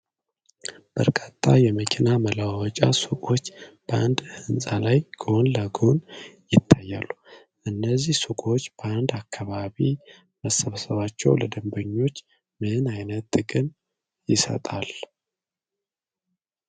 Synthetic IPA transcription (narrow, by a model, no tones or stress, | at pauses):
b̥əɾkʼat̪ʰʼːajɛməkʰinaməlawɔt͡ʃʼasukʼo̞t͡ʃːb̥əand̪hɨnsʼalajɡ̥o̞nləɡo̞njɪt̪ʰːajːalːu | ʔɨnːəzːihsukʼo̞t͡ʃːb̥əand̪akʰːaβaβi | məsəβsəβat͡ʃːɛwləd̪əmbəɲːo̞t͡ʃː | mɨɨnajnət̪ɨɡɨn | jɪsə̰t̪ʼal